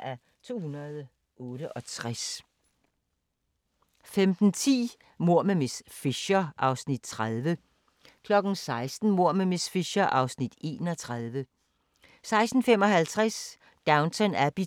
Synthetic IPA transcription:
æ | t͡sʰo̝̰ːhunɐð̩ˠ | ɔːɾəʔɒ̽t͡sʰʁas | femd̥n̩t͡sʰḭː | mo̝ɐ̰memesfiɕɐʔɑ̈ʊsnid̥t͡sʰʁaðˠʋə | kʰlɒ̽ɡ̥n̩sɑ̈ɪsd̥n̩mo̝ɐ̰memesfiɕɐʔɑ̈ʊsnid̥e̝̰ːnɒ̽t͡sʰʁaðˠʋə | sɑ̈ɪsd̥n̩fem̰ɒ̽ɦhælt͡sʰʁas | d̥ɑ̈ʊnt͡sʰɒnæb̥i

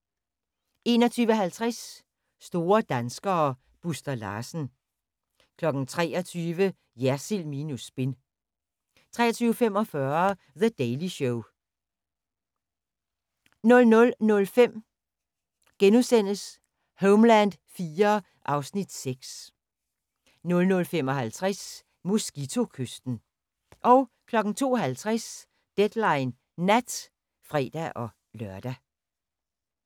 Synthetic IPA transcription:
ʔe̝ːnɒ̽t͡sʰyːʋəɦælt͡sʰʁasː | d̥o̝ːɐd̥ænsɡ̥ɐː | b̥usd̥ɐlɑ̰̈ːsn̩ | kʰlɒ̽ɡ̥n̩t͡sʰʁɛ̰ːɒt͡sʰyːʋə | jæɐsilmiːnusb̥e̝n | t͡sʰʁɛ̰ːɐt͡sʰyːʊəfem̰ɒ̽fɶɐ | ðəd̥eɪliɕoʊ | nɔ̽lnɔ̽lnɔ̽lfem̰ | ɡ̥enuðˠsen̰əs | hoʊmlænd̥fiːɐ | ʔɑ̈ʊsnid̥seɡ̥s | nɔ̽lnɔ̽lfem̰ɒ̽ɦælt͡sʰʁas | musɡ̥it͡sʰo̝kʰøsd̥n̩ | ʔɒ̽ʊ | kʰlɒ̽ɡ̥n̩t͡sʰo̝̰ːɦælt͡sʰʁas | d̥ed̥lɑ̈ɪn | næd̥ | fʁɛ̰ːd̥æʔɒ̽ | lœɐd̥æ

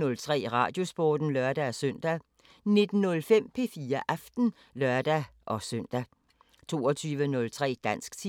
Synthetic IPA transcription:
ɔ̽lt͡sʰʁɛ̰ːʁɑ̰̈ːd̥jo̝sb̥oːd̥n̩lɶɐd̥æsøn̰d̥æ | ne̝d̥n̩ːɔ̽lfem̰pʰe̝fiːɐʔæfd̥n̩ | lɶɐd̥æʔɒ̽sœn̰d̥æ | t͡sʰo̝ːɒt͡sʰyːʋənɔ̽lt͡sʰʁɛ̰ːd̥æn̰sɡ̥t͡sʰi

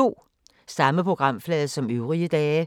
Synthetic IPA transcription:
o̝̰ː | sɑ̈məpʰʁo̝ɡ̥ʁɑ̈m̰flɛːðˠsɒ̽møʊʁiəd̥ɛː

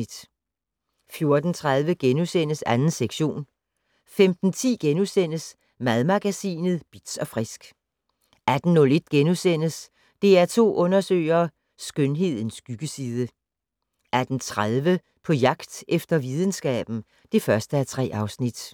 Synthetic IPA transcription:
d̥ | fjo̝ɐd̥n̩t͡sʰʁaðˠʋəɡ̥enusen̰əsænn̩seɡ̥ɕo̝̰ːn | femd̥n̩t͡sʰḭːɡ̥enusen̰əs | mæðˠmɑ̈ɡ̥æsḭːnð̞̩ˠb̥id̥sɒ̽fʁisɡ̥ | æd̥n̩nɔ̽le̝d̥̚ɡ̥enusen̰əs | d̥e̝æɐt͡sʰo̝̰ːʔɔ̽nɐsø̰ːɪɐː | sɡ̥ønɦe̝ð̞̰ˠn̩sɡ̥yɡ̥əsiːð̞ˠə | ʔæd̥n̩t͡sʰʁaðˠʋə | pʰɒ̽jɑ̈ɡ̥d̥efd̥ɐʋið̞ˠən̩sɡ̥ɛ̰ːb̥n̩ | d̥e̝fɶɐsd̥əæt͡sʰʁɛ̰ːʔɑ̈ʊsnid̥

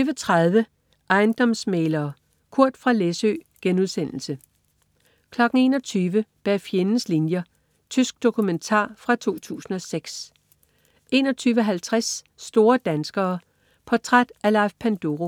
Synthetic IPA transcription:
yʋət͡sʰʁɑð̞ˠʋə | ʔɑ̈ɪnd̥ɒ̽msmeːlɐː | kʰuɐ̰d̥fʁɑ̈lesø̰ːɡ̥enuðˠsen̰l̩sə | kʰlɒ̽ɡ̥n̩e̝ːnɒ̽t͡sʰyːʋəb̥æfjenn̩slinjɐ | t͡sʰysɡ̥̚d̥o̝kʰument͡sʰɑ̰̈ːfʁɑ̈t͡sʰo̝̰ːt͡sʰṵːsn̩ɒ̽seɡ̥s | ʔe̝ːnɒ̽t͡sʰyːʋəɦælt͡sʰʁasːd̥o̝ːɐd̥ænsɡ̥ɐː | pʰɒt͡sʰʁad̥ælɑ̈ɪfpʰænd̥o̝ʁo

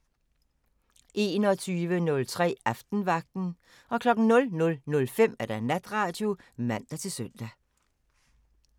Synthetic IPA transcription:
ʔe̝ːnɒt͡sʰyːʋənɔ̽lt͡sʰʁɛ̰ːɑfd̥n̩ʋɑ̈ɡ̥̚d̥n̩ | ɒ̽kʰlɒ̽ɡ̥n̩nɔ̽lnɔ̽lnɔ̽lfem̰æɐd̥ænæd̥ʁɑ̈d̥jo̝mæn̰d̥æt͡sʰe̝lsøn̰d̥æ

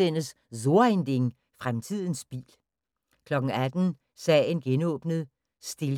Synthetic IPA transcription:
en̰əs | so̝ɐend̥e̝ŋ | fʁamt͡sʰið̞ˠn̩sb̥ḭːl | kʰlɒ̽ɡ̥ŋ̩æd̥n̩ | sɛ̰ːenɡ̥enɔ̰̽ːb̥nəð̞̩ˠ | sd̥e̝l

